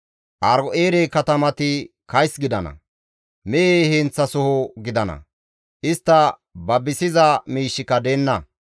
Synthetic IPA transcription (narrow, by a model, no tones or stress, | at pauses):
ʔɐɾɔʔeːɾekɐt̪ɐmɐt̪ɪ | kɐjsɡɪd̪ɐnɐ̰ | mɛʔeːhɛnt͡sːɐsʊhʊɡɪd̪ɐnɐ̰ | ʔɪst̪ːɐ | bɐbɪsɪzɐmiːʃːɪkɐd̪eːnːɐ